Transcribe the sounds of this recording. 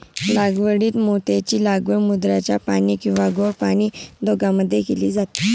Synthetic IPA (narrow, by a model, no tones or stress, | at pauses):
laɡʋəɽiːt̪mot̪at͡ɕiːlaɡʋəɾmud̪ɾat͡ɕjapaɽ̃iːkĩw̃ʋaɡoɽpaɽ̃iːd̪ʱoɡaməd̪ʱːjekelḭːd͡zat̪i̥